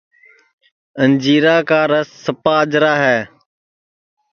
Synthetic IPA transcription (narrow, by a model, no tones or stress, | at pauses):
ənd͡ʒiːɾaːkaːɾəsːəpaːd͡ʒɾaːɦɛː